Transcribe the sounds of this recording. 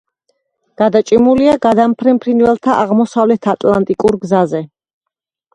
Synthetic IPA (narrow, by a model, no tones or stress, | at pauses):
ɡ̥ad̪at͡ʃʼimuliaɡad̪ampʰɾɛmpʰɾinvɛlˠt̪ʰaʔa̰ʁmɔsavlɛt̪ʰat̪ʼlant̪ʼikʼuɾɡzazɛ